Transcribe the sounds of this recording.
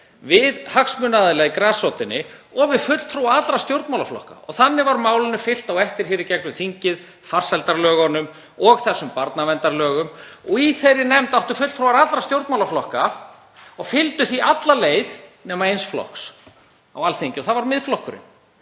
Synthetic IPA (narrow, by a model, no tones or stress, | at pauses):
vɪðhaksmʏnaːðɪlɛːɣikɾasowt̪ɪnːɪɔɣvɪðfʏt̪l̥t̪ʰɾuwaat̪lɾast̪jowɾt̪mawlaflɔ̰hka̰ɔ̰ɣθanːɪvaɾmaːwlʏnɪfɪl̥t̪awɛht̪ɪɾ̥hçɛːɾɪicɛknʏθiɲcɪð | far̥salt̪aɾlœːɣɔnʏm | ɔɣθɛsːʏmpaɾt̪navɛnt̪aɾlœːɣʏmɔɣiθejrːɪnɛmt̪aht̪ʏ̥fʏt̪l̥t̪ʰɾuwaɾat̪lɾast̪jowɾt̪mawlaflɔhka | ɔfɪlt̪ʏθiʔat̪laleːjðnɛːmaejnsflɔ̰hks | a̰walθeɲcɪɔθaðvaɾmɪðflɔhkʏɾɪ̰n